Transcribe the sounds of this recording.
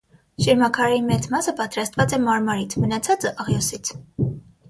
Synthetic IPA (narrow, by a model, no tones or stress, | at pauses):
ʃəɾmɑkʰɑɾɾimɛt͡smɑsəpɑt̪ɾɑst̪vɑt͡sɛmɑɾmɑɾit͡sʰmənɑt͡sʰɑt͡səʔɑʁjɔsit͡sʰ